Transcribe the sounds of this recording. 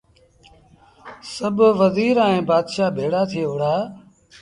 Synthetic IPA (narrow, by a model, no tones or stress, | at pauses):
səbʋəziːɾaːẽːbaːd̪ʃaːbʱeːɽaːt̪ʰeːɦʊɽaː